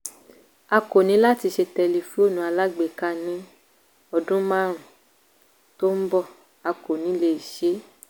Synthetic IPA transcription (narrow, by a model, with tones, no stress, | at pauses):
a˧ko˨nĩ˨˦la˦ti˧ʃe˧tɛ˧li˨fu˨˦o˦˨nũ˨˦a˧la˦ɡ͡be˨ka˦nĩ˨˦ | ɔ˧dũ˦mã˦ɾ̃ũ˨ | to˦m̩˦bɔ˦ | a˧ko˨nĩ˨˦le˧˨i˨ʃe˨˦